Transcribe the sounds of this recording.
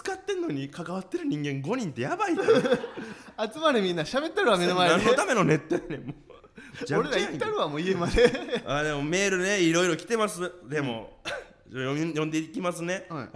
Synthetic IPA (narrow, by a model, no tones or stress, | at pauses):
t͡sɨ̥kat̪ːẽ̞nːo̞ɲ̟ikakaβat̪ːe̞ɾɯ̟ɲ̟ĩŋɡẽ̞ŋɡo̞ɲ̟ĩnt̪e̞jabait̪ː | at͡sɨmaɾʲimʲĩnːaɕabe̞t̪ːeɾɯβamenomaãnːot̪ame̞no̞ne̞t̪ːenemo | d͡ʑãɾeaiaĩːaɾɯamoːiemad̪eaːd̪e̞mo̞me̞ːɾɯ̟ne̞iɾo̞iɾo̞kʲi̥t̪e̞masɨd̪e̞mo̞̰ | ojõ̞nd̪e̞ikʲimasɨne̞